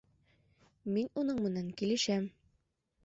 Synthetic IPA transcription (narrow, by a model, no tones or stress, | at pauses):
minunɤɴmɘ̆næŋkilɘ̆ʃæm